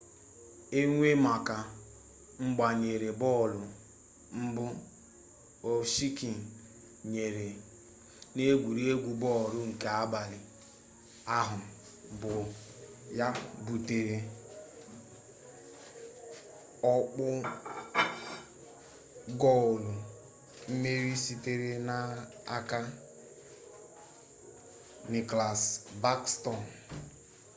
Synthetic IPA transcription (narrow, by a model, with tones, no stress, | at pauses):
e˦ŋʷe˦ma˨ka˨ | ŋ͡m̩˦ɡ͡ba˨ɲe˨ɾe˨bɔː˦˨lʊ˨ | m̩˦bʊ˦ | o˨ʃi˦ki˨ | ɲe˨ɾe˨ | ne˦ɡʷu˨ɾi˦e˦ɡʷu˨bɔ˦˨ɾʊ˦ŋ̩˨ke˨a˦ba˨lɪ˨ | a˦ɦʊ˨ | bʊ˨ | ja˦bu˨te˨ɾe˨ | ɔ˦k͡pʊ˦ | ɡɔ˦ʊ˨lʊ˨ | m̩˦me˦ɾi˦si˦te˦ɾe˦na˦ | a˦ka˦ | nɪ˨kla˨sba˦kstɔ˨n